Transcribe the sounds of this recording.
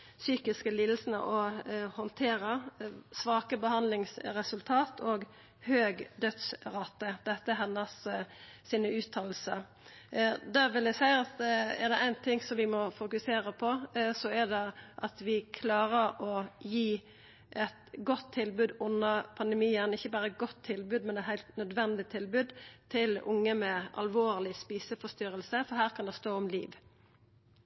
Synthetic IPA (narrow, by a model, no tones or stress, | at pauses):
syːkɪskəliːd̪l̩sn̩ə̰ʔɔhɔnt̪ʰeːɾəsʋɑːkəbəhɑnd̪lɪŋsɾɛsʉlt̪ʰɑːt̪ʰoːɡ | høːɡd̪œt̪sɾɑt̪ːəd̪̥ɛt̪ːəɦɛnːəssiːnəʉːt̪ʰɑːl̩sə | d̪æːʋɪld̪æsæɪɑt̪ɛɾd̪ɛʔæɪnt̪ʰɪŋsɔmʋɪmɔfʊkʉseːɾəpʰɔsɔɛd̪ɛʔɑt̪ʋɪkʰlɑːɾəɾɔjiː | ʔɛt̪ɡɔt̪ʰːɪlbʉːd̪ʊnːəpʰɑnd̪ɛmiːənɪçːəbɑːɾəɛt̪̚ɡɔt̪ʰːɪlbʉːd̪mɛnɛt̪hæɪlt̪nœd̪ʋɛnd̪ɪt̪ʰɪlbʉːd̪t̪ʰɪlʊŋːəmɛɑ̰lʋoːʁlɪspiːsəfɔst̪ʏɾəlsəfɔɦæːʁkʰɑnd̪ɛst̪oːɔmlḭːʋ